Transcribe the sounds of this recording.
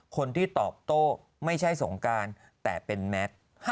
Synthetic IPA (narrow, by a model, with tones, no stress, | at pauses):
kʰo˧nt̪ʰiː˥˩t̪ɔ̰ː˨˩p̚t̪oː˥˩ | ma˥˩jt͡ɕʰa˥˩jso˩˦ŋkaː˧n | t̪ɛː˨˩pe˧nmɛ˦˥t̪̚ | h